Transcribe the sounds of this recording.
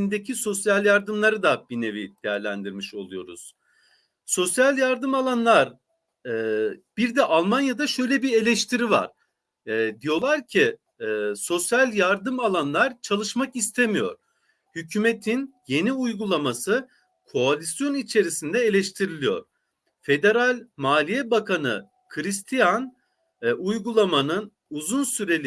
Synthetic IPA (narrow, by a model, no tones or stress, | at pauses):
ind̪ecʰiso̞sjalʲjaɾd̪ɯmlˠaɾɯd̪abine̞vid̪̥e̞jæɾlʲænd̪iɾmiʃo̞lˠujo̞̰ɾṵz̥ | so̞sjalʲjaɾd̪ɯmalˠanlˠaɾ | ɛb̥iɾd̪ɛʔalˠmanjad̪aʃø̞jlʲɛbie̞lʲɛʃt̪ʰiɾiva̰ɾ̥ | ɛd̪ijo̞lˠaɾcʰi | so̞sjalʲjaɾd̪ɯmalˠanlˠaɾt͡ʃʰalˠɯʃmakist̪ʰemijo̞̰ɾ̥ | hycʰymet̪ʰinje̞niujɡulˠamasɯ | kʰo̞alʲisjo̞nit͡ʃʰe̞ɾisind̪ɛelʲɛʃt̪ʰiɾilʲijo̞̰ɾ̥ | fe̞d̪e̞ɾalʲmaːlʲijɛbakʰanɯ̰ | kʰɯɾist̪ʰijan | ujɡulˠamanɯn | uzunsyɾe̞lʲ